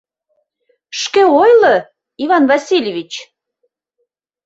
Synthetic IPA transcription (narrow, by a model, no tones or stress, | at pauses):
ʃkeojlə | ivɑnvɑsʲilʲevʲit͡ɕ